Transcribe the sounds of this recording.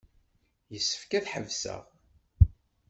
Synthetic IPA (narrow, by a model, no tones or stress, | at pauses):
jəsːə̥fkæθħə̰vsə̰ʁ